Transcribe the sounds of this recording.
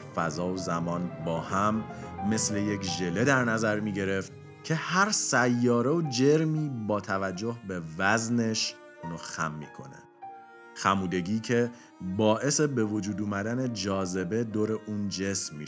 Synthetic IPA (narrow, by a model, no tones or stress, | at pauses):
fæzɒːozæmɒːnbɒːhæmːe̞sle̞jekʒe̞le̞d̪æɾnæzæɾmiːɟe̞ɾe̞ft̪ | cʰe̞hæɾsæjːɒːɾe̞od͡ʒe̞ɾmiːbɒːt̪ʰævæd͡ʒːo̞hbe̞væzne̞ʃ | noxæ̰mːḭːkʰo̞̰nḛ | xæmuːd̪e̞ɟiːcʰe̞ | bɒːʔe̞sebe̞vo̞d͡ʒuːd̪uːmæd̪æne̞d͡ʒɒːze̞be̞d̪oːɾe̞ʔuːnd͡ʒe̞smːi